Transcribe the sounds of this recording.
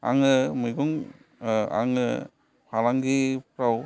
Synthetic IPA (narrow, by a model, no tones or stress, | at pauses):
a̰ŋɯmɯjɡuŋ | a̰ŋɯ | pʰalaŋɡipʰɾaw